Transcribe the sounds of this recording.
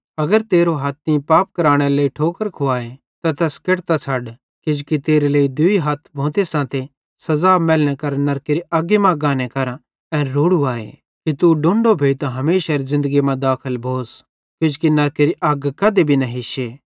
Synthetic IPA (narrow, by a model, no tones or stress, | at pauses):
ɐɡəɾt̪eːɾoɦat̪̚ʰĩpaːp̚kɐɾaːɽ̃eleːiʈʰoːkəɾkʰʊaːe | t̪at̪ɛskeɽt̪at͡ʃʰaɖ | kɪd͡ʒkit̪eːɾeleːid̪ʊiɦɐt̪ʰbʱõːt̪esãːt̪e | sɐzaːmɛːlɽ̃ɛkɐɾnɐɾkeːɾiʔɐɡimãɡãːnekɐɾ | ɛ̃nɾuːɽuaːḛ | kit̪uɖõːɳɖobʱeːt̪aɦɐmeːʃaɾzɪ̃nd̪əɡimãd̪aːkʰəlbʱoːs | kɪd͡ʒkinɐɾkeɾiʔɐɡkɐd̪ebʱinɐ̃ɦɪʃeː